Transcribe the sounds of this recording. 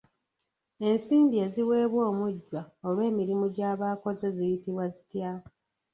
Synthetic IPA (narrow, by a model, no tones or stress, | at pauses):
e̞nsiːndie̞ziwe̞ːβwo̞ːmuɟːwaolwe̞ːmiɾimuɟaːβaːko̞zezijitiβwazitja